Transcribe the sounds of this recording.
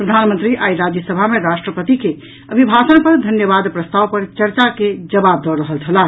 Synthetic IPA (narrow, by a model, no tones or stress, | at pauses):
pɾəd̪ʱanmə̃nt̪ɾiʔaiɾad͡ʒjəsəbʱameɾasʈɾəpət̪ike | əbʱibʱasənpəɾd̪ʱənjəβad̪pɾəst̪awpəɾt͡ʃəɾt͡ʃaked͡ʒəbab̚d̪ɔɾəɦəlt͡ʃʰəla